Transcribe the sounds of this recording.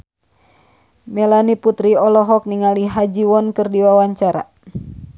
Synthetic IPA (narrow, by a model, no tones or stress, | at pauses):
mɛlaniput̪ɾiɔlɔɦɔk̚niŋaliɦad͡ʒiwɔnkɨrdiwawaɲt͡ʃaɾa̰